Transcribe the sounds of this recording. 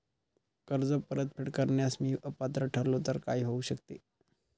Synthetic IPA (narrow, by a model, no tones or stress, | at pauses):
kəɾd͡zəpəɾət̪̚fʰeɽkəɾɳjasmiːʔəpːat̪ɾəʈʰəɾlot̪əɾkaiːɦouɕəkt̪e